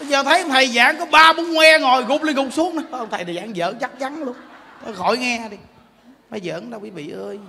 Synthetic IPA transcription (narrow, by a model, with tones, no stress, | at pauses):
t͡ɕɔː˨˩t̪ʰə˨˦jə˧wŋ͡mt̪ʰə˨˩jza̰ː˧˥˨ŋkɔ˨˦ɓaː˧ɓu˨˦nŋwɛ˧ŋɔ˨˩jɣʊ˨˩k͡p̚li˧əŋɦʊ˨˩k͡p̚su˨˦əŋna˨˦˧ʔə˧wŋ͡mt̪ʰə˨˩jt̪ə˨˩za̰ː˧˩ŋzə̰ː˧˦t͡ɕa˦˥k̚t͡ɕa˨˦nlu˧ən | t̪ɔ˨˩˦xɔ˧˩jŋɛ˧ɗi˨˩ | maː˨˩jzə̰ː˧˨ɗa˧wi˨˦vḭ˧˨ʔəː˧j